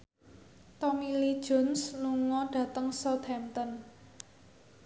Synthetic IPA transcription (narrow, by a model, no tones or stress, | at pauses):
t̪ɔmilid̥ʒ̥ɔ̤nsluŋɔɖ̥ä̤t̪əŋsɔt̪hɛmt̪ən